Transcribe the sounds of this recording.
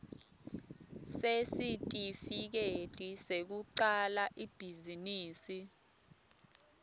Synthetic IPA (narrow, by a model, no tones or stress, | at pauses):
sesitʼifik̬ed̥ʱisek̬uǀalaʔib̥ʱiziniːsi